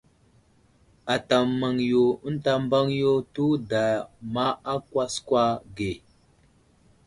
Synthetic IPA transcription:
a˨ta˨mːa˨ŋjo˨ə˦n˦ta˦mba˦ŋjo˦tu˦da˨ma˦a˦kwa˦skwa˦ɡe˨

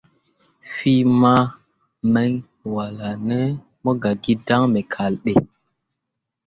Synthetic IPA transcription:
fi˦ma˦ | mɛ˦ŋ | wa˨la˨nɛ˦ | mo˦ɡa˨ɡi˦da˦ŋme˨kʰa˨lɗe˨

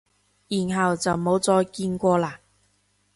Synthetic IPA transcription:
jiː˨˩nɦɐ˨wt͡sɐ˨˩wmo˨˥wt͡sɔː˧jkiː˧nkʷɔː˧laː˧˩

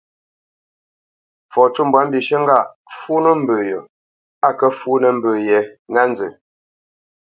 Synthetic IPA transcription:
fɔ˨tu˦m˨bwa˨˦mbi˨ʃə˦ŋ̩˦ɡa˦˨ | fu˦nə˦m̩˦bəː˨jə˨ | a˦˨kə˦fuː˦nə˨m̩˨bə˨jɛ˨ŋa˦n˦zə̰˨

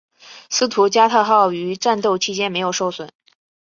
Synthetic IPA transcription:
sɹ̩˥t̪ʰu˧˥t͡ɕja˥t̪ʰa˥˧xɑ˥˩ʊy˧˥ʈ͡ʂa˥˧nt̪o˥˩ʊt͡ɕʰi˥t͡ɕjɛ˥nme˧˥ɪjo˨˩ʊʂo˥˩ʊswə̰˨˩˦n

